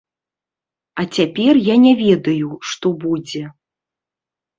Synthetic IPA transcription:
ɐt͡sʲapʲɛrjanʲɛvʲɛd̪ɐjuʂt̪ɔbud͡zʲɛ

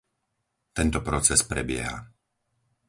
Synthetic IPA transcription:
t̪ɛnt̪ɔpɾɔt͡sɛspɾɛbɪɛ̰ɦa̰

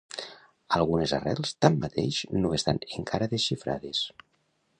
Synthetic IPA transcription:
alˠɣunezarɛlˠst̪amːat̪eʃnoest̪a̰neŋkʰaɾəðesʃifɾa̰ðes

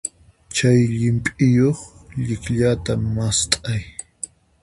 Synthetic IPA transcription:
t͡ʃajʎɪmpʼɪjoχʎɪkʎat̪amast̪ʼaj

